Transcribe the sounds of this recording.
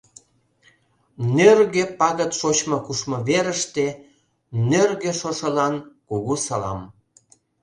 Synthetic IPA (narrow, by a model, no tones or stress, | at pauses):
nørɣepɑɣət̪ʃot͡ɕmɤkuʃmɤβeɾəʃt̪e | nørɣeʃoʃəlɑnkuɣusɑlɑ̰m